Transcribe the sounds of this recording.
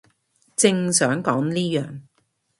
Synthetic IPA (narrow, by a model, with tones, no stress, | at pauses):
t͡sɪ˧ŋsœː˨˥ŋkɔː˨˥ŋliː˥jœ̰ː˨˩ŋ